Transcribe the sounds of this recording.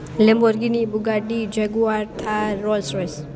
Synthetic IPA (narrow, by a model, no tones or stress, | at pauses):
lɛmbɔɾɡinibuɡaɖid͡ʒɛɡuaɾt̪ʰaːɔlsɾes